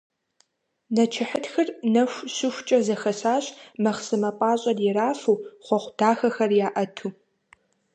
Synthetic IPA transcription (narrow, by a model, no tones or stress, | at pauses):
nɐt͡ʃʰɪħətxɨrnɐɕʷɕʊxʷt͡ʃʼɐzɐxɐsaːɕmɐχsɨmɐpʼɑːɕʼɐdjɪɾaːfuːχʷɔχʷd̥aːxɐxɐrjaːʔɐtʰuː